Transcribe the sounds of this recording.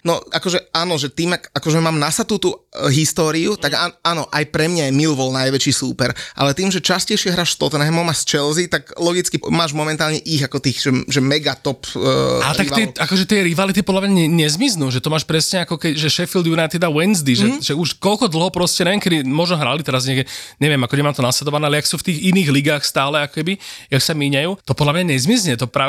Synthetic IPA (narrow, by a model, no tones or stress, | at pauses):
nɔakɔʒɛʔaːnɔʒɛt̪iːmakakɔʒɛmaːmnasat̪ut̪uɦist̪ɔːɾiut̪aɡaaːnɔʔajpɾɛmɲajɛmilʋɔlnajʋɛt͡ʃiːsuːpɛɾʔa̰lɛt̪iːmʒɛt͡ʃascɛjʃɪɛɦɾaːʃst̪ɔt̪nɛɦɛmɔmast͡ʃɛlzit̪aɡlɔɡit͡skimaːʒmɔmɛnt̪aːlɲɛʔiɣakɔt̪iːxʒɛʒɛmɛɡat̪ɔpːa̰tɾak̪ɛakɔʒɛt̪ɪɛɾiʋalit̪ipɔd̪lamɲaɲɛɲɛzmiznuːʒɛt̪ɔmaːʃpɾɛsɲɛakɔkɛʒɛʃɛfild̪junajt̪ːɛd̪awɛnzd̪iʒɛʒɛuʃkɔlkɔd̪l̩ˠɦɔpɾɔscɛɲɛʋjɛmkɛd̪imɔʒnɔɦɾalit̪ɛɾazɲɛɡɛɲɛʋɪɛmakɔɲɛmaːmt̪ɔnaslɛd̪ɔʋanɛalɛjaksuːft̪iːɣiniːɣliɡaːxst̪aːlɛakɔ̥kɛbijaksamiɲajuːt̪ɔpɔd̪lamɲaɲɛzmizɲɛt̪ɔpɾaː